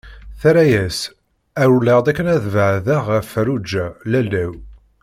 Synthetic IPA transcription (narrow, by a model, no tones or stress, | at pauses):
θæɾæjæs | æɾuləʁd̪ækːənæðvəʕðæʁæfɾud͡ʒælælːæw